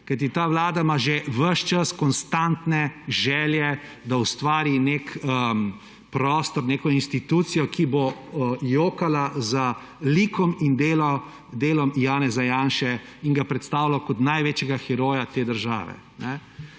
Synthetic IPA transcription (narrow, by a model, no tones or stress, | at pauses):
kajt̪̬it̪aːʋlaːd̪amaʒeʋəʃt͡ʃaskɔnst̪ant̪nɛʒɛːljɛ | d̪aust̪ʋaːɾinekə | pɾɔːst̪ɔɾneːkɔinst̪it̪uːt̪sijɔkʰibojoːkalazə | likʰɔmind̪eːlɔ | d̪eːlɔmjaːnɛzajaːnʃɛinɡapɾɛt̪st̪aːwlakɔt̪najʋeːt͡ʃjɛɡaxɛɾoːjat̪eːd̪əɾʒa̰ːʋɛ̰ | nɛ